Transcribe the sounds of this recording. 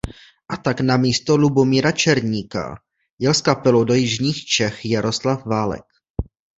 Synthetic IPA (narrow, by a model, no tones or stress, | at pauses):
ʔat̪aknamiːst̪olubomiːɾat͡ʃɛɾɲiːka̰ | jɛlskapɛlowdo̞jɪʒɲiːxt͡ʃɛxjaɾo̞slafvaːlɛ̰k